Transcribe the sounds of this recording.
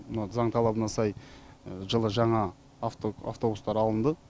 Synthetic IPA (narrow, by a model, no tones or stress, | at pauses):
mnɑzɑɴt̪ʰɑlˠɑbənɑsɑj | ʒəlˠəʒɑɴɑ | fa̰ft̪o̞bust̪ɑɾɑlˠənd̪ə